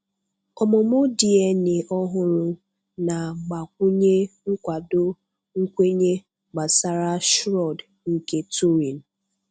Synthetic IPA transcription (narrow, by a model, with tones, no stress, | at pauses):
kɔ˨mʊ˨mʊ˦di˨e˦ne˨ʔɔ˦ɦʊ˦ɾʊ˦ | na˨ɡ͡ba˨kʷu˦ɲe˦ŋ̩˦kʷa˨do˦ | ŋ̩˦kʷe˦ɲe˦ | ɡ͡ba˨sa˦ɾa˦ʃɾɔ˨d | ŋ̩˨ke˦tu˦ɾi˨n̩˨